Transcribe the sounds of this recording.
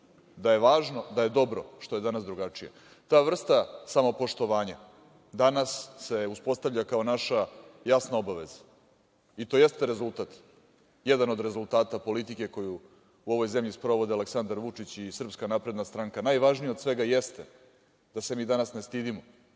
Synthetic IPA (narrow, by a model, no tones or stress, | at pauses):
d̪aje̞ʋaːʒno̞d̪aje̞d̪o̞bɾo̞̰ʃt̪o̞je̞d̪anasd̪ɾuɡat͡ʂijḛ | t̪aːʋr̩st̪asamo̞po̞ʂt̪o̞ʋaːɲa | d̪anasːe̞uspo̞st̪avʎʲakao̞naʃajasnao̞baʋe̞zḁ | it̪o̞je̞st̪eɾe̞zulˠt̪at̪ | jed̪ano̞d̪ɾe̞zulˠt̪aːt̪apo̞lit̪ike̞ko̞ju | uo̞ʋo̞jze̞mʎispɾo̞ʋo̞d̪ealeksand̪aɾʋut͡ʂit͡ɕisr̩pskanapɾe̞d̪nast̪ɾaːŋkanajʋaʒnijaod̪sʋe̞ɡajest̪e | d̪̥ase̞miːd̪anasne̞st̪id̪imo